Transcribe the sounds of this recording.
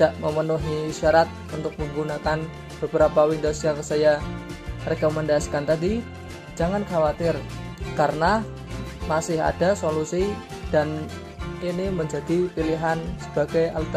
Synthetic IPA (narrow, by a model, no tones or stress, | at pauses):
id̥aʔməmənuɦiːʃaɾat̪̚unt̪ʊk̚məŋɡunakan | b̥əbəɾapawindosjaŋsaja | rekomɛndaskant̪adi | d͡ʒaŋankawat̪ɪr | kaɾəna | masɪɦa̰dasolusi | d̥an | iniməɲd͡ʒadipiliɦansə̥b̥aɡajalt̪